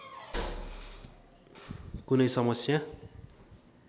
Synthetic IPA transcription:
kunʌjsʌmʌsja

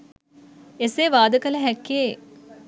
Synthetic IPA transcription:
eseːʋaːd̪əkɐləɦɛkːe

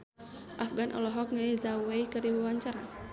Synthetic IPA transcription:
ʔafɡanʔɔ̰lɔɦɔk̚naizauweikɨɾiwawaɲt͡ʃaɾa

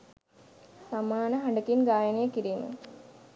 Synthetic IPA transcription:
samaːnəɦaɳɖəkinɡaːjənejəkiɾiːmə̰

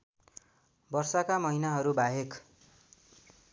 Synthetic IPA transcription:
bʌrsʌkamʌɦinaɦʌɾubaɦek

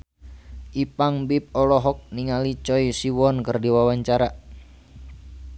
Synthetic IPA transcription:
ʔipaŋbip̚ɔlɔɦɔk̚niŋalit͡ʃɔjsiwɔnkərdiwawaɲt͡ʃaɾa

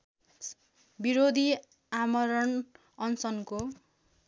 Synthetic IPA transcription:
biɾod̪ʱi | amʌɾʌn | ʌnsʌnko

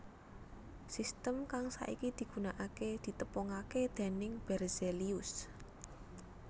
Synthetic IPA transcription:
sist̪əmkaŋsa̰ʔḭkid̪̥i̤ɡ̥ṳnaʔaked̪̥i̤t̪əpɔŋaked̪̥e̤nɪŋb̥ɛrzeliʊs

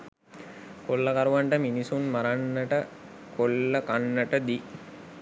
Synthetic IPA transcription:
kolːəkaɾuʋaɳʈəminisunmaɾanːəʈə | kolːəkanːəʈəd̪i

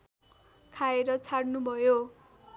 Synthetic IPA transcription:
kʰaeɾʌt͡sʰaɽnubʱʌjo

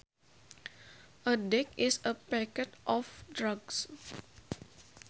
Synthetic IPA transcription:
ʔədɛk̚ɪsəpɛkɛt̪ʔɔfdɾʌɡs

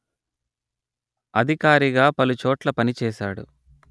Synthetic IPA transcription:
ɐd̪ʱikaːɾiɡaːpɐlut͡ʃoːʈlɐpɐnit͡ʃɛːʃaːɽṵ

